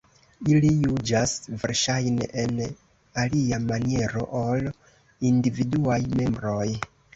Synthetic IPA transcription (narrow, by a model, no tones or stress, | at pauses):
ilijud͡ʒasve̞̰ɾʃajnḛʔen | aliamanie̞ɾo̞̰ʔol | individuajme̞mbɾo̞j